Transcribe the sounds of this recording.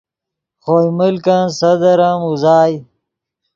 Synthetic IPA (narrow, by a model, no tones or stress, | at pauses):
χoːjməlkãnsɐd̪ɐɾamuzaːj